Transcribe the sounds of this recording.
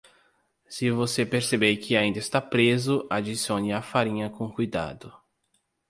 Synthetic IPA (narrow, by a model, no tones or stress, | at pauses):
sɪvosepeɾsebeɾkʰɪaĩnd̪ɐɪst̪apɾezʊʔad͡ʒisiõnɪafaɾĩɲɐkõkujd̪a̰d̪ʊ